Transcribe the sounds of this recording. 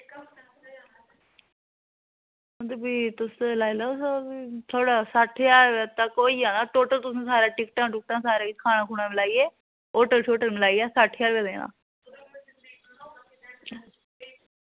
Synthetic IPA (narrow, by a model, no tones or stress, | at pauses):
d̪biːt̪ʊslaːiləosobit̪ʰoːɽaːsaːʈʰjaːɾʋeːt̪əkoːiːãːnaːʈoːʈəlt̪ʊsũːsaːɾaːʈɪkʈãːʈɪk̚ʈãːsaːɾaːɪkʰaːɽ̃aːkʰuːɳãːmɪlaːiːeː | oːʈəlʃʰoːʈəlmɪlaːiaːsaːʈʰjaːɾʋeːd̪ẽna̰ː